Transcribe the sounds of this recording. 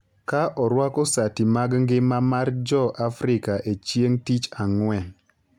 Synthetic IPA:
kaʔɔɾwakɔsatimaɡŋɡɪmamard͡ʒɔʔafɾɪkaʔet͡ʃjeŋtit͡ʃaŋwɛ

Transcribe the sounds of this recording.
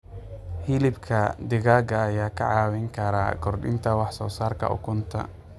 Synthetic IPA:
hɪlɪbkʰɐd̪ɪɣaːɡɐːjaːkʰɐ̰ʕɑːwɪŋkʰɐɾa̰ːkʰɔrɖɪ̰nt̪ʰɐwɑħsɔːsaːrkʰɐ̰ʔʊ̰kʰʊnt̪ʰɐ̰

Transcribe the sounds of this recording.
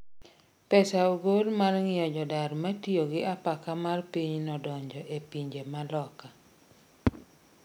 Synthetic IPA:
pɛsaoɡolmarŋɪjɔd͡ʒɔdaɾmatioɡɪʔapakamarpiɲnɔdɔɲd͡ʒɔʔepiɲd͡ʒemalɔka

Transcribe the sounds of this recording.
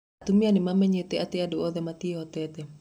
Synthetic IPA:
at̪umianimamɛɲet̪eat̪eadooðɛmat̪iɦɔt̪ɛt̪ɛ

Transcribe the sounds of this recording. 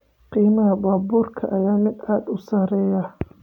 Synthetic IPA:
qiːmɐɦɐbaːbuːrkʰɐ̰ʔɐjaːmɪd̪aːd̪ʊsaːɾɛːjɐ

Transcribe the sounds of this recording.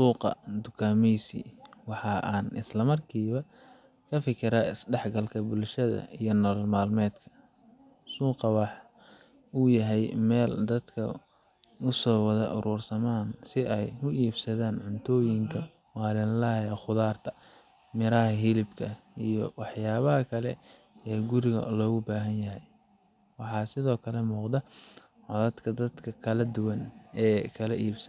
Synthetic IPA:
suːqɑ̰d̪ʊkʰaːmɛsḭːwɑħɑːʔaːnʔɪslɐmɐrkʰiːβɐ | kʰɐfɪkʰɪɾaːɪsɖɛħɡɐlkʰɐbʊlʃɐðɐ̰ijɞnɔːllmaːlmɛːd̪kʰɐ̥ | suːqɑwɑħ | uːjɐɦɛjmɛːld̪ɐd̪kʰɐ̰ | ʊsɔːwɑðɐʔʊɾuːrsɐmaːnsɪɛjhʊiːbsɐðaːnʕʊnt̪ʰɔːjɪŋkʰɐ | wɑːlɪnlɐjɐχʊðaːrt̪ʰɐ̥ | mɪɾɐɦɐɦɪlɪbkʰɐijɔwɑħjaːβɐɦɐkʰɐlɛ̰ | ɛːɡʊɾɪɣɐ̰lɔːɣʊbaːɦɐnjɐɦɛj | wɑħɑːsɪðɔːkʰɐlɛmuːqd̪ɐ | ʕɔðɐd̪kʰɐd̪ɐd̪kʰɐkʰɐlɐd̪ʊwɐnɛːkʰɐlɐʔiːbsɐn

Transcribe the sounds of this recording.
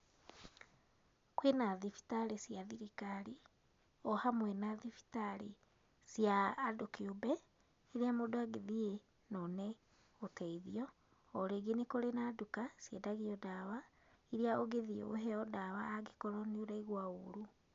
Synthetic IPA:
kwenaðifi̥taɾesjaðiɾikaɾi | ɔhamwɛnaðifi̥taɾe | sjaːdukiobɛ | iɾiamodoaɡeðie | nɔnɛ | otɛiðiɔː | ɾeɡenekoɾenadukasjedaɣiɔdaβa | iɾiaoɣeðiḛoɦɛɔdaβaːɡekɔɾɔnioɾaiɣwaoɾu

